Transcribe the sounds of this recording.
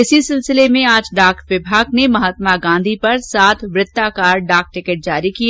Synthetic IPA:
ɪsisɪlsɪlemẽaːd͡ʒɖaːkʈʋɪbʱaːɡnemɐɦaːt̪maɡãːnd̪ʱipɐɾsaːt̪ʰʋɾɪt̪ːakaːɾɖaːk̚ʈɪkəʈ̚d͡ʒaːɾikie

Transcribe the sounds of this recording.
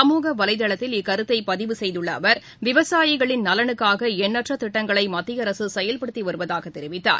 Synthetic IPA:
ɐmuːɣɐʋɐlɐɪðɐɭɐt̪ːɪlɪkːɐɾɯt̪ːɐɪpɐðɪʋɯsɛjðɯɭːɐːʋɐɾ | ʋɪʋɐsaːjɪɣɐɭɪnnɐlɐɳɯkːaːɣɐɛnːɐʈrɐt̪ːɪʈːɐŋɡɐɭɐɪmɐt̪ːɪjɐɾɐsɯsɛjɐlpɐɽɯt̪ːiʋɐɾɯʋɐðaːɣɐt̪ːɛɾɪʋɪt̪ːa̰ːɾ

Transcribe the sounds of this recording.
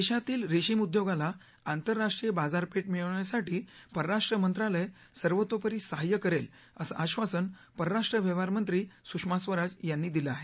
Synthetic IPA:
eɕat̪iːlɾeɕiːmud̪joɡala | ant̪əɾːaʂʈɾijəbad͡zaɾpeʈmiɭɳjasaʈiːpəɾəɾaʂʈɾəmənt̪ɾaləj | səɾʋət̪ːopəɾiːsəɦajːəkəɾel | əsa̰ʔaɕʋasənpəɾəɾaʂʈɾəʋjəʋaɾmənt̪ɾiːsukʂmasʋəɾad͡zjanːiːd̪iləaɦe

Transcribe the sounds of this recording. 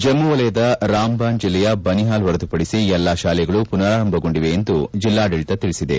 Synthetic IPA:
d͡ʒɐmːuʋɐlɐjɐd̪ɐɾaːmbaːnd͡ʒilːɛjɐbɐniɦaːlʋɐɾɐd̪upɐɽisiɛlːaːʃaːlɛɡɐɭupunaːɾɐmbʱɐɡo̞ɳɖiʋe̞ːnd̪ud͡ʒilːaːɖeɭit̪ɐt̪iɭisid̪e̞̰

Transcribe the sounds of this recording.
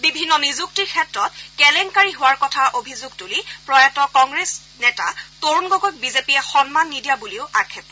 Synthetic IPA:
bibʱinːɔnizuk̚tiɹkʰɛtɹɔt̚kɛlɛŋkaɹiɦʊwaɹkɔtʰaʔobʱizuɡtulipɹɔjatɔkɔŋɡɹes | nɛtatoɹunɡoɡojk̚bizepiɛxɔnmanːidijabuliʊʔaɹkʰɛpɔ

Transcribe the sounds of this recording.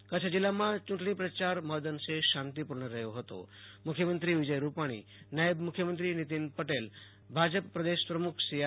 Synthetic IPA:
kət͡ʃʰəd͡ʑilːamãt͡ʃuʈɽ̃ipɾət͡ɕaɾməd̪ənseʃãnt̪ipuɾɳəɾəɦjoɦət̪o̰mukʰjəmənt̪ɾiʋid͡ʒəjɾupaɽ̃ḭnajəbmukʰjəmənt̪ɾinit̪inpəʈel | bʱad͡ʑəpːɾəd̪eʃpɾəmukʰsija

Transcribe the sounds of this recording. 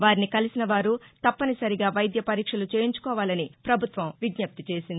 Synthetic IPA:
ʋaːɾinikɐlisinɐʋaːɾut̪ɐpːɐnisɐɾiɡaːʋɐjd̪jɐpɐɾiːkʂɐlut͡ʃeːjiɲt͡ʃu̥kɔːʋaːlɐnipɾɐbʱut̪ʋɐmʋiɡɲɐp̚t̪it͡ʃe̞ːsind̪ii

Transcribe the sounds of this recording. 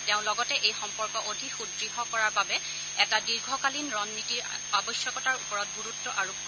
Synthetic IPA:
teʊ̃lɔɡɔtɛʔejxɔmpɔɹkɔʔodʱixudɹiɦɔkɔɹaɹbabɛ | ɛtadiɹɡʱɔkalinɹɔnːitiɹ | abɔjsjɔkɔtaɹupɔɹɔt̚ɡuɹutːɔʔaɹu

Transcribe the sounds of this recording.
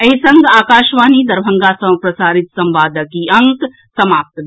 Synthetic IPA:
ɐisɐŋɡaːkaːʃʋaːniːd̪ɐɾbʱɐŋɡaːsɐpɾɐsaːɾit̪sɐmbaːd̪ʱɐkiɐŋk | sɐmaːp̚t̪ː

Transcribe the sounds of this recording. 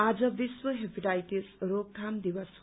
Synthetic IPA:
ad͡zʌbiswʌɦepiʈajʈisɾokkːʰamd̪ibʌs

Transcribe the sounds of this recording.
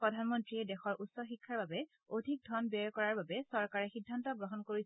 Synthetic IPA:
pɹɔdʱanmɔntɹiɛdɛxɔɹʔutsɔxikʰːaɹbabɛ | odʱik̚dʱɔnbɔɹkɔɹaɹbabɛsɔɹkaɹɛxidʱːantɔɡɹɔɦɔnkoɹis

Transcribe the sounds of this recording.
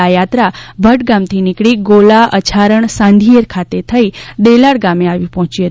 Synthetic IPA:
ajat̪ɾabʱəʈ̚ɡamt̪ʰinɪkɽiɡolaʔət͡ʃʰaɾəɳsãnd̪ʱijəɾkʰat̪et̪ʰəid̪elaɽɡameaʋipɔɦɔ̃t͡ʃiət̪

